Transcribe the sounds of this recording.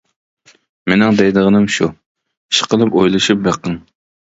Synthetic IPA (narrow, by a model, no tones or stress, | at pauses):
menɪŋd̪ɛjd̪əʁənɨmʃu | i̥ʃqəlˠɨpojlˠɨʃup̚beqɨŋ